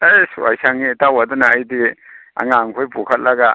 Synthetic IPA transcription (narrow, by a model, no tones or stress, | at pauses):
ejsuwa̰jsaŋitawadɔnaːjdia̰ŋaŋkʰojpukʰɐt̚laɡa